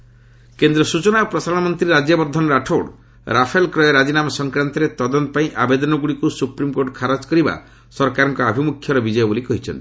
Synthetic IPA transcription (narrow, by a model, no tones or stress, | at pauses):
kend̪ɾɔsut͡ʃɔnapɾɔsaɾɔ̃nɔmɔnt̪ɾiɾad͡ʒjɔbɔɾd̪ʱɔnɔɾaʈʰoɽ | ɾapʰelkɾɔjɔɾad͡ʒinamɔsɔŋkɾant̪ɔɾet̪ɔd̪ɔnt̪ɔpaĩʔabed̪ɔnɔɡuɽikusupɾimkoɾʈɔkʰaɾat͡ʃkɔɾiba̰ | sɔɾkaɾɔŋkɔabʱimukʰjɔɾɔbid͡ʒɔjɔbolikɔɦit͡ʃʰɔ̰nt̪i̥